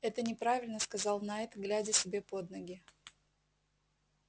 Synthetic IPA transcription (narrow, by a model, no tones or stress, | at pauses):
ɛt̪ənʲɪpɾavʲɪlʲnəskɐzɑlˠnaɛt̪ɡlʲædʲəsʲɪbʲe̞po̞d̪nəɡʲɪ